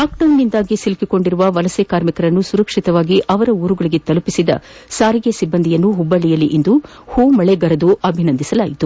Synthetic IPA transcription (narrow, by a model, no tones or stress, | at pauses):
aːk̚ʈɐwnːind̪aːɡisilkiko̞ɳɖiɾuʋɐʋɐlɐsekaːɾmikɐɾɐnːusuɾɐkʂit̪ɐʋaːɡiʔʔɐʋɐɾɐuːɾuɡɐɭiɡe̞t̪ɐlupisid̪ɐ̰saːɾiɡesibːɐnd̪ʱijɐnːuɦubːɐɭijɐliʔind̪u | huːmɐɭeɡɐɾɐd̪uʔɐbʱinɐnd̪isɐlaːjit̪u